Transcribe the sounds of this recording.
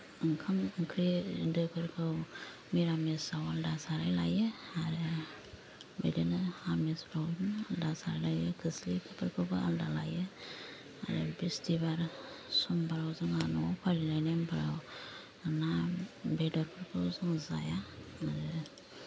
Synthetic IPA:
ŋkʰɯmkʰɾidɯkʰɯɾkʰɯw | miɾamesawaldasaɾajlajɯaɾɯ | bḛdenɯamesbɾawnaldasaɾajlajɯkʰɯslipʰɯpʰɯɾkʰɯbɯa̰ldalajɯ | a̰ɾɯbistibaɾ | sɔmbaɾawzɯŋanɔapʰalilajnembaɾaw | nabedɔɾpʰɯɾkʰɯwzɯŋza̰jaːɾɯ

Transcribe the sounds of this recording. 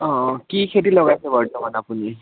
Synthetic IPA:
ɔ̃kikʰetilɔɡajsebəɹʈɔmanapuni

